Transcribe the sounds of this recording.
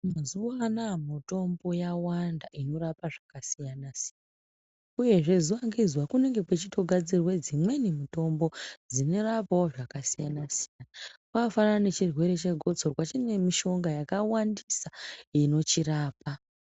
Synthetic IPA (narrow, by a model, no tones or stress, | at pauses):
mazuanamuto̞mbo̞jawandaʔino̞ɾapaʐakasijanasijan | auje̞ʐe̞zuwaŋɡizwakune̞ŋɡe̞kwet͡ʃitʰo̞ɡʱad͡zirwe̞d͡zimwe̞nimito̞mbo̞d͡zine̞rapawoʐakasijanasijanakwafanaane̞t͡ʃirwe̞ɾe̞t͡ʃe̞ɡʱo̞d͡zorwat͡ʃine̞miʃo̞ŋɡajakawandisaino̞t͡ʃiraːpa